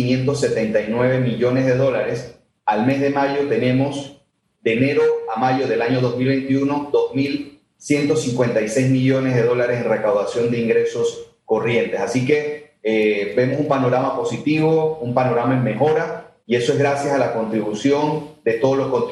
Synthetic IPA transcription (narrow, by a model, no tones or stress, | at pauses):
inje̞nt̪o̞s̬ːe̞t̪e̞nt̪ajnwe̞β̞e̞miʎo̞ne̞zðe̞ðo̞laɾe̞s | alme̞zðe̞maʝo̞t̪e̞nẽ̞mo̞s | d̪e̞ne̞ɾo̞amaʝo̞ðe̞laɲo̞ð̞o̞zmilβe̞nt̪iuno̞d̪o̞zmil | sjent̪o̞siŋkwe̞nt̪ajse̞jzmiʝo̞ne̞zðe̞ð̞o̞laɾe̞se̞nre̞kawðasjo̞nd̪e̞iŋɡɾe̞so̞s | ko̞rje̞nt̪e̞sasike̞ | ebe̞mo̞sumpano̞ɾamapo̞sit̪iβo̞umpano̞ɾamaemme̞xo̞ɾa | ie̞so̞e̞zɣɾasjasalako̞nt̪ɾiβusjo̞nd̪e̞t̪o̞ð̞olo̞sko̞nt̪